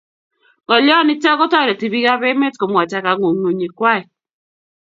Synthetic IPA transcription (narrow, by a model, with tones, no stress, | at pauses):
ŋɔ˨lɔ˦nɪ˦t͡ʃa˦kɔ˦tɔ˦˨ɾe˨ti˨βi˦ɣa˦be˦me˦tko˨mwa˨t͡ʃa˨ka˨ŋo˨ŋo˨ɲi˨kwa˦˨i˨